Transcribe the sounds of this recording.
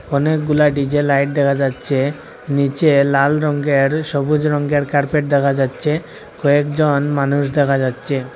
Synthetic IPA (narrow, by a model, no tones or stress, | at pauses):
ɔnek̚ɡulaɖid͡ʑelajʈ̚d̪ɛkʰad͡ʑatːɕʰe | nit͡ɕelalɾɔŋɡeɾʃɔbud͡ʑɾɔŋɡeɾkaɾpeʈ̚d̪ɛkʰad͡ʑatːɕʰe | kɔekd͡ʑonmanuʃ̬d̪ɛkʰad͡ʑatːɕʰe